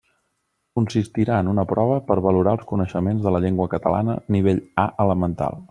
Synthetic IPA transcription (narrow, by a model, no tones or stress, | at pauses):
kunsist̪iɾaənunəpɾɔβ̞əpəɾβəluɾaəlˠskunəʃəmenzðələʎeŋɡwəkət̪ə̰la̰nə̰niβ̞eʎaʔələmənt̪a̰lˠ